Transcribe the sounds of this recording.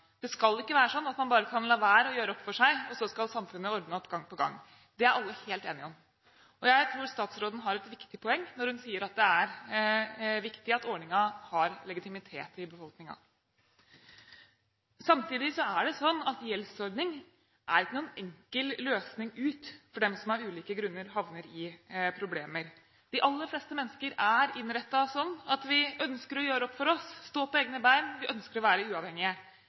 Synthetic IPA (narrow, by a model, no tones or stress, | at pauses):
d̪̥ɛskɑlːɪkːəʋæːɾəsɔnːɑt̪mɑnbɑːɾəkʰɑnlɑʋæːɾɔjøːɾəɔpːfɔʂæɪɔsɔskɑlsɑmfʉnːəɔɾd̪nəɔpːɡɑŋːpɔɡɑ̰ŋː | d̪ɛæɾʔɑlːəheːlt̪eːnɪɔm | ɔjæɪt̪ʰɾuːɾst̪ɑːt̪sɾoːd̪n̩ɦɑɾɛt̪ʋɪkt̪ɪpʰɔɛŋːnɔɾhʉnsiːəɾɑt̪̚d̪ɛæɾ | ʋɪkt̪ɪɑt̪ɔɳɪŋɑhɑɾlɛɡɪt̪ɪmɪt̪ʰḛːt̪ɪbəfɔlknɪŋɑ̰ | sɑmt̪ʰiːd̪ɪsɔæɖɛsɔnːɑt̪jɛlsɔɾɖ̪nɪŋ | ʔæɾɪkːənuːənɛŋkəlløːsnɪŋʉːt̪fɔɖɛmsɔmɑɾʉːliːkəɡɾʉnːəɾɦɑʋnəɾɪpʰɾʊblḛːməɾ | d̪̥ɪʔɑlːəɾflɛːst̪əmɛnːəskəɾæɾɪnːɾɛt̪ːɑsɔnːɑt̪ʋɪœnskəɾɔjøːɾəɔpːfɔɾɔsːt̪oːpʰɔeːɡnəbæɪmʋɪʔœnskəɾɔʋæːɾəʉːɑʋhɛŋːɪə